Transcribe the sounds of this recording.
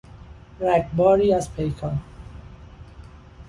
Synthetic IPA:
ɾækbɒːɾiːæzpʰejkʰɒn

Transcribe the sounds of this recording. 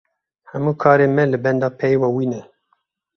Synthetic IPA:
hɛmuːkʰɑːɾemɛlɨbɛnd̪ɑːpʰɛjwɑːwiːnɛ

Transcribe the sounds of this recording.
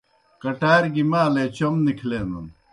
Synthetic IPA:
kɐʈaːɾɡimaːleːt͡ɕɐmnikʰleːnɐn

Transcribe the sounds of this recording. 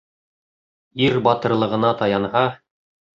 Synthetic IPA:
iɾbɑt̪ɤ̆ɾlˠɤ̆ʁɤ̆nɑt̪ɑjɑnhɑ

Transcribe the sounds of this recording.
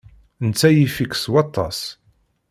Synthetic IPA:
nt͡sːæjifikswɑt̪ˤːɑ̰s

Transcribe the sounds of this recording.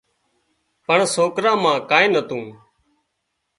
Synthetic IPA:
pəɳsoːkɾãːmãːkaːẽːnət̪ũː

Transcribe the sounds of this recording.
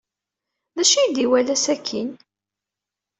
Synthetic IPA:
ðæʃijd̪iwælæsækʰːin

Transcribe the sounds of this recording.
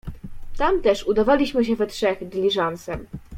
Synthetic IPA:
t̪amt̪ɛʂud̪avalʲiɕmɘɕ̬ɛvɛtʂɛxd̪lʲiʐansɛm

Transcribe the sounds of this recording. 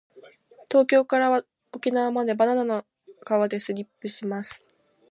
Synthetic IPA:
t̪o̞ːkʲo̞ːkaɾaβa | o̞kʲinaβamad̪e̞bananano | ɡ̥aβad̪e̞sɨɾʲipːɯ̟ɕimasɨ̥

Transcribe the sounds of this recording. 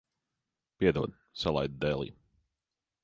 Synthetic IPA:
piɛd̪uːd̪ | salˠa̰jd̪̚d̪elˠḭː

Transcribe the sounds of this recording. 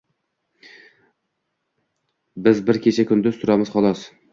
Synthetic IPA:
bɪzbɪɾkʲʰet͡ʃʰakʲʰʊnd̪ʊzt̪ʰʊɾamɪzχɒlˠɒs

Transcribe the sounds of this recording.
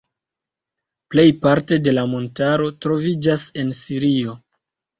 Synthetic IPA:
ple̞jpaɾte̞de̞lamo̞ntaɾo̞tɾo̞vid͡ʒase̞nsiɾio̞

